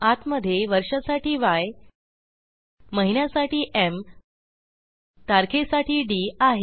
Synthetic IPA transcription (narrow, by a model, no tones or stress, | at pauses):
at̪məd̪ʱːjeʋəɾʂəsaʈiːʋaj | məɦinjasaʈiːʔem | t̪aɾkʰesaʈiːɖiːaɦe